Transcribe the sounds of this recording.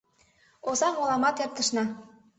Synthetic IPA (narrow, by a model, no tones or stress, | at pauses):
ozɑmolˠɑmɑt̪jɑp̚t̪ɤ̆ʃnɑ